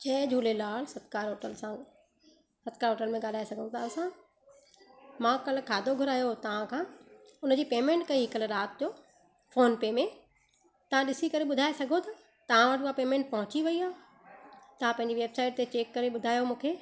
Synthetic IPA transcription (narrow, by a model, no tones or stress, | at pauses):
t͡ɕɛːd͡ʑʱuːlelaːlsɐt̪kaːɾɦoːʈəlsã | sɐt̪kaːɾɦoːʈəlmẽɠaːl̤aːesɐɡʱə̃t̪ʰaɐsã | mãːkɐlkʰaːd̪ʱoɡʱʊɾaːjot̪ɐʋ̤ãkʰãːʊnəd͡ʑiːpeːmẽːɳʈkɐiɦɪkəlɾaːt̪̚d͡ʑoː | foːnpeːmẽ | t̪ɐʋ̤ãɗɪsikɐɾeɓʊd̪ʱaːesɐɡʱot̪ʰa | t̪ɐʋ̤ãʋəʈːapeːmẽːɳʈ̚pɐɦʊ̃t͡ɕiʋɐiaː | t̪ɐʋ̤ãpɐ̃ɪ̃ɲd͡ʑiʋeːbsaːɪʈ̚t̪et͡ɕeːkːɐɾeɓʊd̪ʱaːjomũːkʰeː